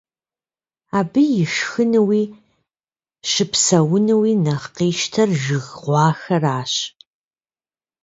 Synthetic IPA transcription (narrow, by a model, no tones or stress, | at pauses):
aːbɨjɪʃxɨnɨwiː | ʃɨpsɐwʊnɨwiːnɐχqiːʃtʰɐrʒɪɣʁʷɑːxɐraːɕ